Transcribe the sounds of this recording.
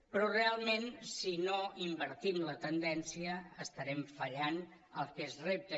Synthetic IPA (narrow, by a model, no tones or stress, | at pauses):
pɾɔrealˠmensinoimbəɾt̪imlət̪ənd̪ɛnsiəːst̪əɾɛmfəʎan | əlˠkezrep̚t̪ə